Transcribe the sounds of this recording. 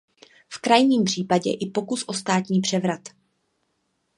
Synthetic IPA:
fkɾajɲiːmpr̝̥iːpaɟɛ̰ʔɪpo̞kusʔo̞st̪aːt̪ɲiːpr̥ɛvɾat̪

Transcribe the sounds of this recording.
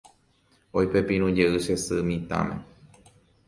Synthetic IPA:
ojpepĩɾ̃ũd͡ʒeʔɨʃesɨmĩt̪ã̰mḛ̃

